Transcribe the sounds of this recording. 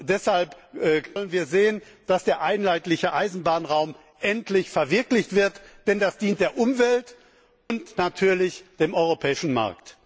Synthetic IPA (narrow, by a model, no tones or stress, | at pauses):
d̥ɛshalpʔɛɔlənviːɐzeːən | d̥asd̥eːɐʔaɪnlaɪtlɪçəʔaɪzn̩baːnʁaʊm | ʔɛntlɪçfɛɐvɪɐklɪçtv̥ɪɐtd̥ɛndasd̥iːnt̚d̥eːɐʔʊmvɛlt | ʔʊntnatʰyːɐlɪçd̥eːmʔɔʏʁopʰɛːɪʃn̩ma̰ɐkt